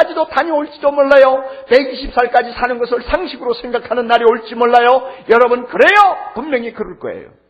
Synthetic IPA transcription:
ad͡ʑidotaɲioɭt͡ɕ͈idomoɭːajʌme̞iɕʰip̚s͈aɭk͈ad͡ʑisʰanɯnɡʌs̬ʰɯɭsʰaŋɕʰiɡɯɾosʰeŋɡakʰanɯnːaɾioɭt͡ɕ͈imoɭːajʌjʌɾʌbɯnkɯɾe̞jʌpummjʌŋikɯɾɯɭk͈ʌ̰ḛjo̰

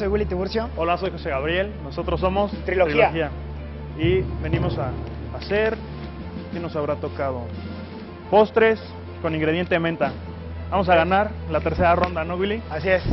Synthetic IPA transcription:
ojwilit̪iβuɾsjoo̞laso̞jxo̞se̞ɣaβɾje̞lno̞so̞t̪ɾo̞s̬ːo̞mo̞st̪ɾiloɾxiloaxia | iβe̞nĩmo̞saː | se̞ɾ | keno̞saβɾat̪o̞kað̞o̞ | po̞st̪ɾe̞s | ko̞nĩŋɡɾe̞ð̞jent̪e̞mẽ̞nt̪a | bamo̞s̬aɣanaɾlat̪e̞ɾse̞ɾaro̞nd̪anoɣwiliasies

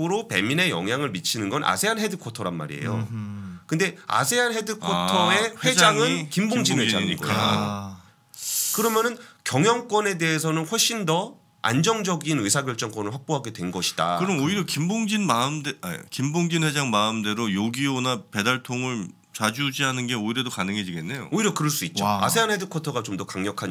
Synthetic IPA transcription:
ɯɾope̞mine̞jʌ̰ŋɦjaŋɯɭmit͡ɕʰinɯnɡʌnʔa̰sʰe̞ɦanɦe̞dɯkʰotʰʌɾanma̰ɾḭḛjo̰kɯnde̞a̰sʰe̞ɦanɦe̞dɯkʰotʰʌe̞ɸwe̞d͡ʑaŋɯnkimboŋd͡ʑinwed͡ʑaɲiɡoa | kɯɾʌmjʌnɯnkjʌŋjʌŋk͈wʌne̞de̞esʰʌnɯnɸwʌɭɕ͈indʌ | a̰nd͡ʑʌŋd͡ʑʌɡinɯsʰaɡjʌɭt͡ɕ͈ʌŋkwʌnɯɭɸwak̚p͈oɦaɡe̞dwe̞nɡʌɕʰi̥d̥a̰ɯɾʌmoiɾjʌkimboŋd͡ʑinmamdekimboŋd͡ʑinɸwe̞d͡ʑaŋmaɯmde̞ɾojoɡionape̞daɭtʰoŋɯɭ | t͡ɕad͡ʑud͡ʑiɦanɯnɡe̞oiɾe̞dokanɯŋɦe̞d͡ʑiɡe̞nːe̞jo̰oiɾjʌkɯɾʌɭs͈uit̚t͡ɕ͈oa̰sʰe̞ɦanɦe̞dɯkʰʌtʰʌɡat͡ɕomdʌkaŋɲʌkʰaɲ

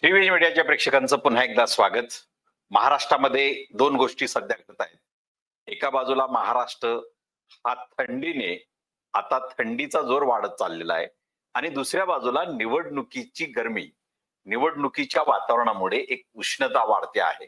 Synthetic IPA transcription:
t̪ɾiʋinmiɽijat͡ɕjapɾekʂəkant͡səːpun̤ɦaek̚d̪asʋaɡət̪ | məɦaɾaʂʈɾaməd̪ʱːjed̪onɡoʂʈiːsəd̪ʱjaɡʱəɾt̪ajet̪̚ | ekabad͡zulaməɦaɾaʂʈɾə | hat̪ʰəɳɖine | at̪at̪ʰəɳɖit͡sad͡zoɾʋaɽət̪̚t͡sa̰lːela̰ɦḛ | aɽ̃id̪usɾjabad͡zulaniʋəɽɳukit͡ɕiːɡəɾmḭː | niʋəɽɳukit͡ɕjaʋat̪aʋəɾɳamuɭeʔek̚uɕɳət̪aʋa̰ɽt̪ea̰ɦḛ

